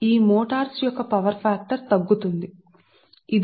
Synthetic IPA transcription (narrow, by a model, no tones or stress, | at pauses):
iːmɔːʈaːɾsjɔkːɐpɐʋɐɾpʰaːk̚ʈɐɾt̪ɐɡːut̪und̪i | id̪